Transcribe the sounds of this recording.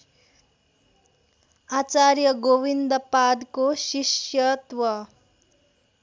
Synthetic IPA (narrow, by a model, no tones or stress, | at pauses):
at͡saɾjəɡoʋind̪pad̪koɕiɕjət̪ʋʌ